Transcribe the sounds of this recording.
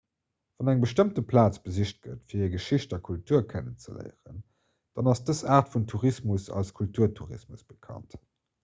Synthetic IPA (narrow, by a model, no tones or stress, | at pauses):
v̥ɑnæŋbəʃtəmtəpʰlaːt͡sb̥əziɕt̚ɡ̥ə̰tfiːɐiːɐɡəʃiɕtɐkʰultʰuːɐkʰənənt͡sə̰lə̰ɪʁə̰n | d̥ɑnɑsd̥əsaːʁtfuntʰuʁismusɑ̰lskʰultʰuːɐtʰuʁḭsmusb̥əkʰɑ̰nt